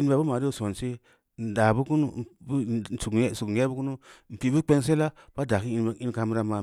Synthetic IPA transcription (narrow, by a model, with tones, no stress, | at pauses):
i˦n˦ba˨bu˦ma˨ɾi˦o˦so˨nsi˦ | n̩˨da˨bu˦ku˦nu˦˨b̩˦˨su˨ksu˨je˦bu˦ku˦nu˦m̩˨pi˨˦bu˦k͡pe˦ŋs̬e˦la˦b̥a˦da˨ki˦i˦n˨i˦n˦ka˧m˦ɾa˦ma˨